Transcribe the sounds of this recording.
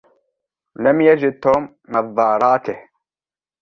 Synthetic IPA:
lamjad͡ʒɪd̪̚t̪oːmːɑðˤːɑːɾˤɑːt̪ɪh

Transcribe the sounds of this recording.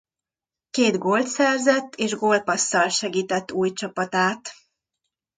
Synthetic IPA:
keːd̪ɡolt̪sɛrzɛt̪ːeːʒɡo̞ːlpɒsːɒlʃɛɡiːt̪ɛt̪ːuːjt͡ʃɒpɒt̪aːt̪

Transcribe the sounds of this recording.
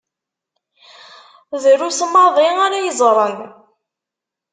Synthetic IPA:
ðəɾusəmɑðˤiaɾajəzˤɾˤən

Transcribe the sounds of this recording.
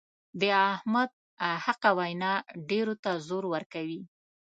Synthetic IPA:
d̪əahmad̪̚ | haqawajnɑɖeɾot̪azoɾwəɾkawi

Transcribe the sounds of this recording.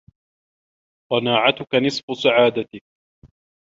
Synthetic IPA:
qɑnaːʕat̪ʊkanɨsˤfʊsaʕaːd̪at̪ɪk̚

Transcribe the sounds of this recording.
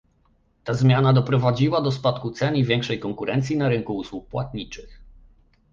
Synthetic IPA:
t̪azmʲjanad̪ɔpɾɔvad͡ʑiwad̪ɔspat̪kut̪sɛɲivʲjɛŋkʂɛjkɔŋkuɾɛnt̪sʲjinaɾɘŋkuuswuk̚pwat̪̚ɲit͡ʂɘx

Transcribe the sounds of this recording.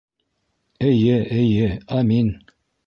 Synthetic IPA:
ɘ̆jɘɘ̆jɘɑmin

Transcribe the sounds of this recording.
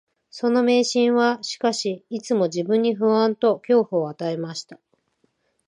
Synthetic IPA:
so̞no̞me̞ːɕĩɰ̃βaɕi̥kaɕiit͡sɨmo̞d͡ʑibɯ̟̃ɲ̟ːiɸɯ̟ɰãnt̪o̞kʲo̞ːɸoːat̪ae̞maɕi̥t̪ḁ

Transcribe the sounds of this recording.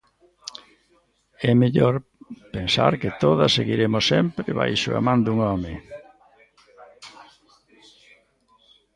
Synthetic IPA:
ɛmeʎoɾpensa̰ɾkɪt̪oðɐsːeɣiɾemʊsɛmpɾɪβa̰jʃʊ̰a̰mãnd̪uŋɔmɪ

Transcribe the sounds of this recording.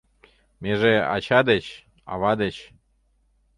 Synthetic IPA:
meʒeɑ̰t͡ɕɑd̪et͡ɕ | ɑ̰βɑd̪et͡ɕ

